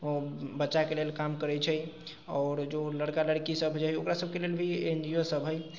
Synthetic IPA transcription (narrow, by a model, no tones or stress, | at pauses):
obətːʃakelelkamkəɾɛt͡ʃʰə | ɔːɾd͡ʒoləɽkaləɽkisəbʱd͡ʒaɦjokɾasəb̚ʱkelelbʱiend͡ʒiosəbʱɦəj